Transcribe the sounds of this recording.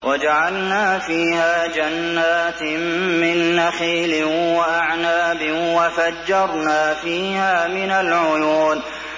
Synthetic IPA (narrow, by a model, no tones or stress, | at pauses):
wad͡ʒaʕalnaːfiːhaːd͡ʒanːaːt̪mmɪnːaxiːlɪwaʔaʕnaːbɪwafad͡ʒːɑɾˤnaːfiːhaːmɪnalʕʊjuːn